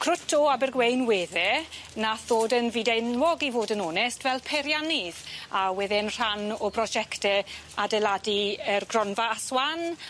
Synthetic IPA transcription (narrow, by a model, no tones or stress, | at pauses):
kʰrʊtʰɔabɛrɡwejnweːðɛnaθoːdənviːdɛnwɔɡivoːdənɔːnɛstvɛlˠpʰɛɾjanɪðawɛðɪənr̥anɔbrɔd͡ʒɛktɛadɛladiərɡrɔnvaaswan